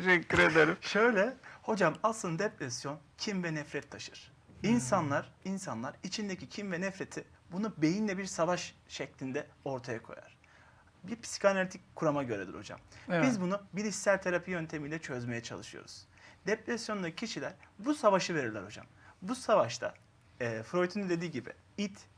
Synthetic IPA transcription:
t̪ʰeʃɛcʰːiɾed̪eɾimʃø̞jlʲɛho̞d͡ʒamasˠɯnd̪ad̪ɛpɾɛsjo̞ncʰimvɛnɛfɾɛt̪ʰːaʃɯɾ̥ | insanlˠaɾinsanlˠaɾit͡ʃʰind̪ecʰicʰimvɛnɛfɾe̞t̪ʰi | bunube̞jinlʲɛbiɾsavaʃʃɛclʲind̪ɛo̞ɾt̪ʰajakʰo̞̰ja̰ɾ̥ | biɾpʰsi̥cʰanaɾʲt̪ʰic̚kʰuɾamaɟø̞ɾɛd̪ʲḭɾo̞̰d͡ʒa̰mbizbunubiɾist̪æɾt̪ʰaɾapʰɯjø̞nt̪ʰe̞milʲɛt͡ʃʰø̞zme̞jɛt͡ʃʰa̰lˠɯʃɯjo̰ɾṵz̥ | d̪ɛpɾɛsjo̞nd̪acʰiʃilʲæɾbusavaʃɯve̞ɾiɾlʲɛ̰ɾo̞d͡ʒa̰mbusavaʃt̪ʰa̰ | ɛfɾo̞jt̪ʰinid̪e̞d̪iːɟibḭ | it̪

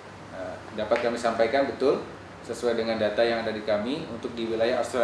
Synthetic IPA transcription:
ə | dapat̪̚kamisampajkanbət̪ʊl | səsuajdəŋandat̪ajaŋadadikamiunt̪ʊk̚diwilajaɦafst̪ɾa

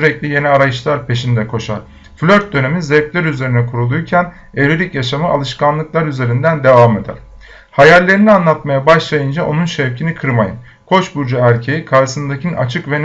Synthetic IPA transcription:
yɾɛclʲije̞niaɾajɯʃlˠaɾpʰe̞ʃind̪ɛkʰo̞ʃa̰ɾ̥ | flʲøɾt̪̚d̪ø̞ne̞minzɛplʲæɾyze̞ɾinɛkʰuɾulˠujcʰæn | eɾyɾicjaʃamɯʔa̰lˠɯʃkʰanlˠɯklˠaɾyze̞ɾind̪ænd̪e̞vaːme̞d̪æ̰ɾ̥ | hajælʲːe̞ɾinianlˠat̪majabaʃlˠajɯnd͡ʒaʔo̞nunʃɛvcʰinikʰɯɾmajɯ̰n | kʰo̞t͡ʃbuɾd͡ʒaæɾʲcʰe̞jikʰaɾʃsɯnd̪acʰina̰t͡ʃʰɯkvɛn

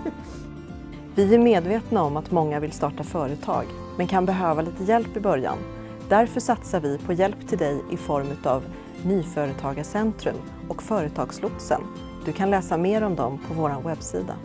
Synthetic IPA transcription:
vɪæɾmeːd̪veːt̪naɔmat̪mɔŋːavɪlst̪ɑːʈafœːɾət̪ʰɑ̰ːɡ | mɛnkʰanbɛɦøːvaliːt̪əjɛlpːɪbœɾja̰n | d̪̥æɾfœʂat̪saɾvɪpʰɔjɛlpt̪ʰɪld̪ɛjɪfɔɾmʉ̟ːt̪av | nyːfœːɾət̪ʰɑːɡaʂɛnt̪ɾɵm | ɔkfœːɾət̪ʰɑːɡslʊt̪sə̰n | d̪ɵkʰanlɛːsameːɾɔmd̪ɔmpʰɔvoːɾanwɛbsḭːd̪a̰

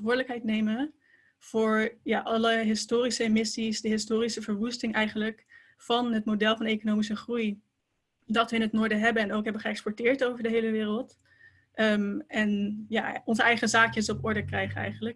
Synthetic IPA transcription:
ʋʊːɹdələkɦɛjtnejmə | v̥ʊːɹjaːʔɑləɦɪstoːrisəemɪsisdəɦɪstʊːrisəvəɹʋustɪŋɛjχənlək | fɑnɦətmodɛlˠfɑnekonoːmisəχruj | dɑtʋəɪnɦətnʊːɹdəɦɛbənɛnowkɦɛbənχəɛkspɔɹtɪːɹtowvəɹdəɦejləʋɪːrəlˠt | ɛnjaːɔnzəɛjχəzaːkjəsɔpɔɹdəkrɛjχəɛ̰jχənlək

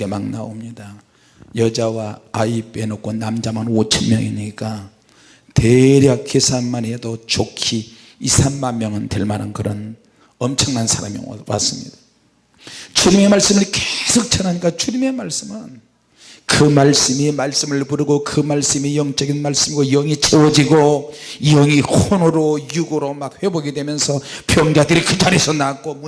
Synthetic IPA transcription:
emaŋna̰omɲida | jʌd͡ʑawaːip͈enok̚k͈ʰonamd͡ʑamanot͡ɕʰʌnmjʌŋḭɲik͈a | teɾjakʰesʰanmanedot͡ɕokʰiː | sʰamːanmjʌŋɯnteɭmanankɯɾʌn | ʌmt͡ɕʰʌŋnansʰaɾa̰miwa̰s͈ɯmɲḭd̥ḁ | t͡ɕuɾime̞maɭs͈ɯmɯɭkesʰok̚t͡ɕ͈ʰanaɲik͈at͡ɕuɲime̞maɭs͈ɯmɯn | kɯmaɭs͈ɯmimaɭs͈ɯmɯɭpuɾɯɡokɯmaɭs͈ɯmijʌŋt͡ɕ͈ʌɡinmaɭs͈ɯmiɡojʌŋit͡ɕʰewʌd͡ʑiɡoijʌŋihonɯɾojuɡoɾomak̚ɸwe̞boɡedwe̞mjʌnsʰʌpjʌŋd͡ʑadɯɾikɯd͡ʑaɾesʰʌnak̚k͈om

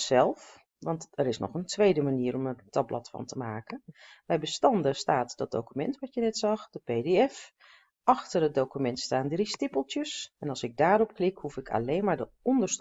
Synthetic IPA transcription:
sɛlˠf | ʋɑntəɾɪsnɔ̰xəntʋejdəmaniːəɾɔməntʰɑblɔ̰tfɑ̰ntʰəmaːkənbɛjbəstɑndəstaːtdɔt̚dowkymɛntʋɑtjənɛtsɑxd̥əpeːdeɛf | ʔɑxtərət̚dokymɛntstaːndristɪpəlˠtjəsɛnɑlˠsɪɡ̚daːɾɔpklɪkhufɪkʰa̰leːnmaːɹdəɔndəɹs

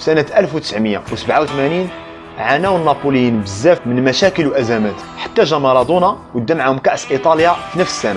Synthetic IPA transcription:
sænæʔælfwt̪ə̥sʕməjːa̰wsəbʕawt̪mænin | ʕanæwənːɑpuljinbəzːæfmənmæʃækəlwʔæzæmæt̪ | ħḁt̪ːæʒæmɑɾˤɑd̪ˤunɑwəd̪ːæmʕahʊmkæʔsʔit̪ˤɑljafinəfsə̥sːæna

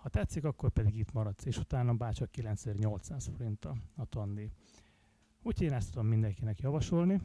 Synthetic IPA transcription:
hɒt̪ɛt̪sːikɒkːo̞rpɛd̪iɡit̪mɒɾɒt̪seːʃut̪aːnɒbaːt͡ʃɒkːilɛnt̪sɛzɛːrɲo̞lt̪saːsfo̞ɾint̪ɒɒt̪ond̪i | ucʰeːnɛst̪ud̪o̞mːind̪ɛŋkinɛkjɒvɒʃo̞lni

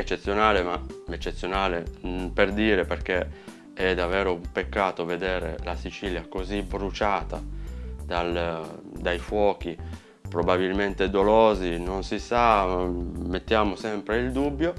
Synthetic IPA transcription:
et͡ʃːet̪sːjonaːlemaet͡ʃːet̪sːjonaːleperd̪iːɾeperke | ɛd̪ːavɛːɾoumpekːaːt̪oved̪ɛːɾḛlasit͡ʃiljakozibɾut͡ʃaːt̪ad̪ald̪ajfwɔːk̟i | pɾobabilment̪ed̪oloːzinonsisa | met̪ːjaːmosɛmpɾeild̪ubːjo

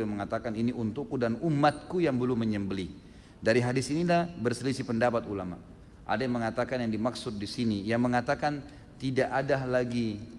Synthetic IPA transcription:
məŋat̪akaniniʔunt̪ʊkːudanumat̪̚kujaŋbəlʊmːəɲəmbəli | daɾiɦadisinilahbərsəlisipəndapat̪ulama̰ʔ | ʔa̰dajaŋməŋat̪akanjaŋdimaksʊt̪̚disinijaŋməŋat̪akan | t̪idaʔadalaɡi

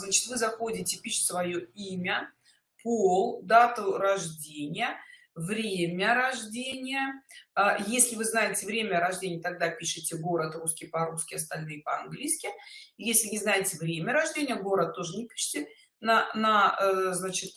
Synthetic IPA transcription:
znat͡ɕɪ̥t̪vɨzɐxo̞dʲɪtʲɪpʲiʂsvɐjoimʲə | polˠd̪at̪ʊɾɐʐdʲenʲɪjə | vɾʲemʲəɾɐʐdʲenʲɪjə | jesʲlʲɪvɨznajɪtʲɪvɾʲemʲəɾɐʐdʲenʲɪjət̪ɐɡ̚d̪apʲiʂɨtʲɪɡo̞ɾət̪ruskʲɪjpɐɾuskʲɪɐst̪ɐlʲnɨjɪpəɐ̰nɡlʲijskʲɪjesʲlʲɪnʲɪznajɪtʲɪvɾʲemʲəɾɐʐdʲenʲɪjəɡo̞ɾət̪ːo̞ʐɨnʲɪpʲi̥ʂɨ̥tʲɪ | nənɐznat͡ɕɪt̪̚

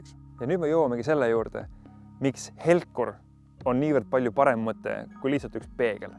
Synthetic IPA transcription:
jɑnyːd̪me̞jowɑmeɡise̞lːejuːrd̪̥e̞̰mikshe̞lkːˑur | o̞nniːvərd̪̥̚pɑlʲjupɑɾe̞mmɤt̪ːˑe̞̰kujlihsɑlt̪ːykspe̞ːɡ̥ḛl

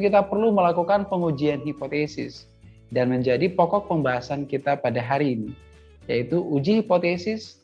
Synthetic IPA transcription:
kit̪apərluməlakukanpəŋud͡ʒianɦipot̪esɪs | danməɲd͡ʒadipɔkɔk̚pəmbaɦasankit̪apadaɦaɾiːni | jait̪uud͡ʒihipot̪esɪs

